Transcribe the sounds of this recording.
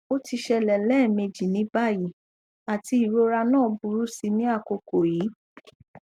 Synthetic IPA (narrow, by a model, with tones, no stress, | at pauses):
o˦ti˧ʃɛ˧lɛ˨lɛː˦˨me˧d͡ʒi˨nĩ˨˦ba˦˨ji˨˦ | a˨ti˧i˨ɾo˧ɾa˧nãː˦˨˦bu˧ɾu˦si˧nĩ˦a˦˨ko˨˧ko˨jiː˨˦